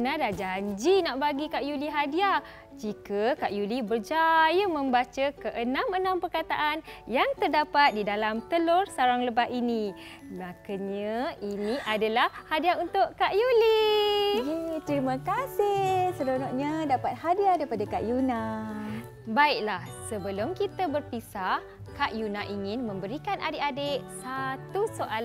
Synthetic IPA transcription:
nadad͡ʒaɲd͡ʒinaʔbaɡikaʔjuliɦadia | d͡ʒikakaʔjulibərd͡ʒajəmə̃mbat͡ʃəkəʔənãmənãmpərkat̪a̰ʔanjaŋt̪ərdapat̪̚didalamt̪əlorsaɾaŋləbaʔini | mãkəɲainiʔadalahhadiaunt̪ʊʔkaʔjulijet̪ɾimə̃kasɪsəɾonɔʔɲadapat̪̚hadiadaipadakaʔjuna | baiʔ̚lahsəbəlʊmkit̪abərpisaʔ | kaʔjunaʔiŋɪnmə̃mbəɾikanʔa̰deʔadeʔsat̪usoʔal

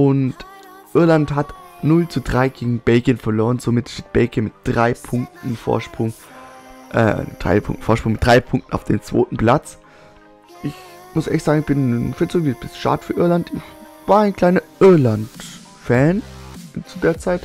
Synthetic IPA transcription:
ʔʊnt | ʔɪɐlantɦatnʊlt͡sudʁaɪɡ̥eːɡŋ̩bɛlɡjənfɛɐloːʁ̞ənz̥omɪtʃteːt̚b̥ɛlɡjənmɪt̚d̥ʁaɪpʰʊŋk̚tn̩fo̰ːɐʃpʁ̥ʊŋ | ʔɛ̰d̥ʁa̰ɪpʰʊ̰ŋk̚tn̩foːɐʃpʁ̥ʊŋmɪtd̥ʁaɪpʰʊŋktn̩a̰ʊfd̥eːmt͡sv̥o̰ːtn̩pl̥at͡s | ʔɪçmʊsʔɛçtz̥aːɡŋ̩ɪçb̥ɪnfɪt͡soːvib̥ɪsʃa̰ːdfyːɐʔɪɐlantɪçvaːɐaɪnkʰl̥aɪnɐʔɪɐlant | fɛːnt͡sudeːɐt͡saɪt

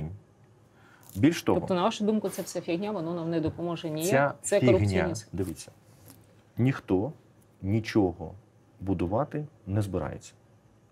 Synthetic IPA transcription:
nʲ | bʲilʲʃt̪ɔɔt̪ɔnɐʋaʃʊd̪umkʊt̪sɛfsʲafʲiɣnʲaʋɔnɔnamnɛd̪ɔpɔmɔʒɛnʲijʲɛasɛfiɔʊɣnʲija̰d̪ɪʋʲit͡sʲːɐ̥ | nʲixt̪ɔ | nʲit͡ʃɔɦɔ̰ | bʊd̪ʊʋɑt̪ɪnɛzbɪɾɑ̰jḛt͡sʲːɐ̥

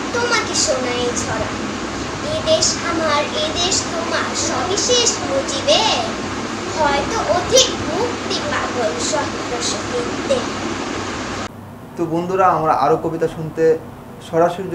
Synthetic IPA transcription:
t̪omakeʃonaet͡ɕʰɔɾa̰ | ed̪eʃamaɾed̪eʃt̪omaɾʃɔbiʃeʃmud͡ʑibe | hɔet̪oʔod̪ʱikbʱukt̪ikŋbabolʃɔɡɾoʃokint̪e | t̪ubond̪ʱuɾaamɾaʔaɾokobit̪aʃunt̪e | ʃɔɾaʃoɾid̪

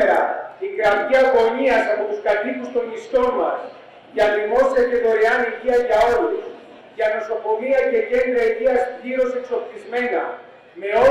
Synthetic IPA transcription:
ɾɐ̰ikɾɐmʝiɐko̞miɐsɐpo̞t̪uskɐt̪ipust̪o̞mmist̪o̞mɐs | cɐðimo̞sɾɐce̞ðo̞ɾeɐniʝiɐʝɐo̞ɾus | ʝɐno̞so̞ko̞miɐce̞ʝe̞nd̪ɾɐiʝiɐsʝiɾo̞se̞kso̞pθizme̞nɐ̰ | me̞o̞

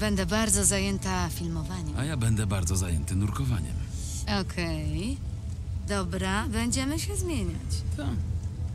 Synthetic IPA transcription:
bɛnd̪ɛbaɾd̪zɔzajɛnt̪afʲilmɔvaɲɛajabɛnd̪ɛbaɾd̪zɔzajɛnt̪ɘnuɾkɔva̰ɲɛ̰m | ɔkʰɛj | d̪ɔbɾabɛɲd͡ʑɛmɘɕɛzmʲjeɲat͡ɕ̪ɔ

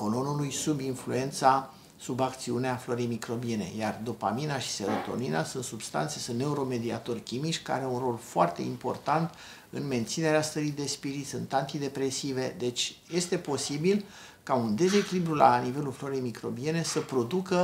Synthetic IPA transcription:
ko̞lo̞nulujsubinflue̞nt̪sa | subakt̪siuneaflo̞ɾejmikɾo̞bie̞ne̞̰jard̪opa̰minaʃi̥seɾot̪o̞̰ninasunt̪subst̪a̰nt̪se̞sunne̞uɾo̞me̞d̪ia̰t̪o̞rkʲimit͡ʃʲka̰ɾeunro̞lfoart̪e̞impo̞̰rt̪ant̪ | ɨnme̞nt̪sine̞ɾeast̪əɾijd̪e̞spiɾit̪sʲunt̪ant̪id̪e̞pɾe̞sive̞d̪e̞t͡ʃʲje̞st̪e̞po̞sibil | kaund̪e̞ze̞kʲilibɾulanive̞lulflo̞ɾiejmikɾo̞bie̞ne̞səpɾo̞d̪ukə

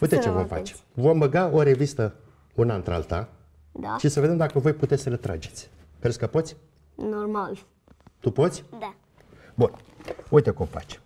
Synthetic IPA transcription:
ujt̪et͡ʃevo̞mfa̰t͡ʃe̥vo̞mbəɡao̞ɾe̞vist̪ə | unant̪ɾea̰lt̪a̰ | aʃisəve̞d̪emd̪akəvo̞jput̪esəlet̪ɾa̰d͡ʒe̞t̪sʲ | kɾeskəpo̞t̪sʲ | normal | t̪upo̞t̪sʲd | bunujt̪ekumfa̰t͡ʃ

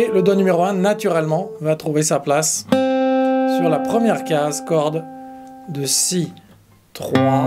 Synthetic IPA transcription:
eləd̪ɔnymeʁoɛ̃nat̪yʁɛlmɑ̃vat̪χuvesaplas | syʁlapχəmjɛʁkazkɔʁd̪ | d̪əsi | t̪χwa

